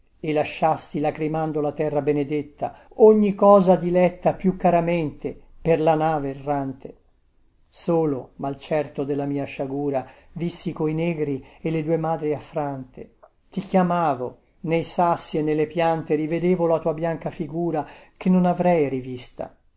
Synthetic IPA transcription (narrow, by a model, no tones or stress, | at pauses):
elːaʃːast̪ilakɾimand̪olat̪ɛrːabened̪et̪ːa̰ | oɲːikɔːzad̪ilɛt̪ːapjukːaɾameɛnt̪eperlanaːverːant̪e | soːlomalt͡ʃɛrt̪od̪elːamiːaʃaɡuːɾavisːikoinɛːɡɾielːed̪uːemaːd̪ɾiafːɾant̪e | t̪ikjamaːvo | nejsasːienːelːepjant̪eɾived̪eːvolat̪uːabjaŋkafiɡuːɾak̟enːonavɾɛjɾivist̪a̰